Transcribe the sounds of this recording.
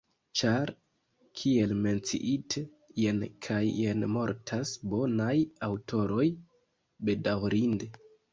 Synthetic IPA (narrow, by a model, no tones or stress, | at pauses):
t͡ʃaɾ | kʰie̞lme̞nt͡sḭʔitʰe | jenkʰajːenmo̞ɾtʰasbo̞najawto̞ɾo̞j | be̞dawɾinde